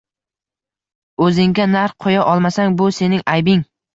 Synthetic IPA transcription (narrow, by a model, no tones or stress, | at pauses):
ɵzɪŋɡʲanaɾfqʰojaʔɒlˠmasaŋbʊse̞nɪŋʔajbɪŋ